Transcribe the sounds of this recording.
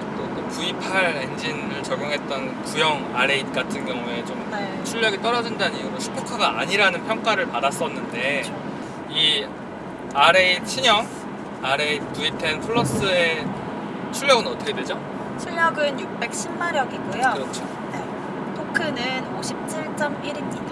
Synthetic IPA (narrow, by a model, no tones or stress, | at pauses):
t͈ot͈opuipʰaɾe̞nd͡ʑinɾɯɭt͡ɕʌɡjoŋɦe̞t̚t͈ʌn | kujʌŋaɾe̞it̚k͈atʰɯnɡjʌŋue̞t͡ɕom | t͡ɕʰuʎːʌɡit͈ʌɾʌd͡ʑindaɲimoɕʰi̥pʰokʰaɡaaɲiɾanɯnpʰjʌŋk͈aɾɯɭpadas͈ʌnːɯnde̞ | i | aɾe̞it͡ɕʰiɲʌŋ | aɾe̞ipuipʰenpʰɯɭːʌs͈ɯe̞ | t͡ɕʰuʎːʌɡɯnʌt͈ʰʌkʰedwed͡ʑo | t͡ɕʰuʎːjʌɡɯnjuk̚p͈e̞k̚ɕʰimːaɾjʌɡiɡujokɯɾʌt͡ɕʰo | ne̞ | tʰokʰɯnɯnoɕʰip̚t͡ɕʰiɭt͡ɕ͈ʌmiɾii